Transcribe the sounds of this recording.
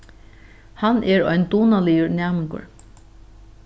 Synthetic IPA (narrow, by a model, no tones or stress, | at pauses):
hanʔɛɹɔjnd̪uːnalɪjʊɾnæːmɪŋkʊ̰ɹ